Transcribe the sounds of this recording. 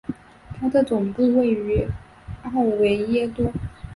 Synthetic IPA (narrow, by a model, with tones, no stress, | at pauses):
t̪ʰa˥d̪ə˨t͡sʊ˨˩ŋpu˥˧we˥˩ɪy˧˥ | ɑ˥˩ʊwe˧˥ɪjɛ˥t̪wɔ˥